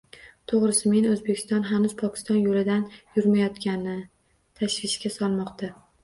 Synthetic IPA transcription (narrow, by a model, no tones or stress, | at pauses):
t̪ʰoʁɾɪsɪme̞nɵzbe̞kʲʰɪ̥st̪ɒnɦanʊzpʰɒkʲɪ̥st̪ɒnjolɪd̪anjʊɾmajɒt̪kʲanɪ | t̪ʰaʃvɪʃkʲasɒlˠmɒqt̪ʰa